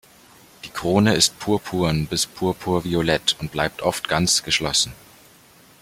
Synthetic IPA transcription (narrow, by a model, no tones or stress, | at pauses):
d̥iːkʁ̥oːnəɪst̚pʰuːɐpʰuːnbɪspʰuːɐpʰuːɐviolɛtʊnt̚b̥laɪp̚tʔɔftɡ̥ant͡sɡ̥əʃlɔsn̩